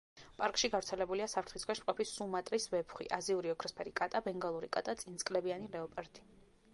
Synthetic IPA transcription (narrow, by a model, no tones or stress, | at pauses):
pʼaɾkʼʃiɡavɾt̪sʰɛlɛbuliasapʰɾt̪ʰχiskʰwɛʃmqʼɔpʰisumat̪ʼɾisvɛpʰχwḭʔaziuɾiɔkʰɾɔspʰɛɾikʼat̪ʼabɛŋɡalˠuɾikʼa̰t̪ʼat̪sʼint̪sʼkʼlɛbianiɾɛɔpʼɛɾt̪ʰʼi̥